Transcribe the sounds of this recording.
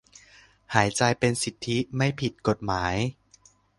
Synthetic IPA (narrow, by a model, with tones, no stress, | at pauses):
haː˩˦jt͡ɕa˧jpe˧nsi˨˩t̪ʰːi˦˥ma˥˩jpʰi˨˩t̪̚ko˨˩t̪̚maː˩˦j